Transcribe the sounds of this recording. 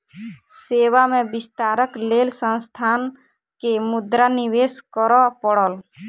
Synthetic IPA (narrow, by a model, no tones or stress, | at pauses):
seːwamẽbɪst̪aːɾəkleːlsə̃nst̪ʰaːn | kemʊd̪ɾaniweːskəɾɔpəɽəl